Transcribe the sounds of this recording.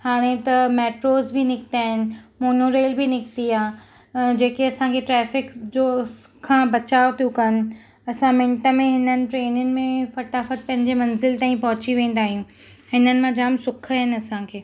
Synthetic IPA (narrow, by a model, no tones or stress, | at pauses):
haːɽ̃et̪ɐmɛːʈɾoːzbinɪkt̪aːɦɪnɪ̆moːnoːɾeːlbinɪkt̪iaː | d͡ʑeːkeɐsãkʰeʈɾɛːfɪkd͡ʑoːs | kʰãːbɐt͡ɕaːot̪ʰijũkɐnɪ̆ | ɐsãmɪ̃ɳʈə̆mẽɦɪnənɪ̆ʈɾeːnʊnɪ̆mẽfɐʈaːfət̪̚pɐ̃ɦɪ̃ɲd͡ʑemɐ̃nzɪlt̪aːĩpɐɦʊt͡ɕiʋẽːn̆d̪aːɦijũː | hɪnənɪ̆mãd͡ʑaːmsʊkʰaɦɪnɪ̆ɐsãkʰeː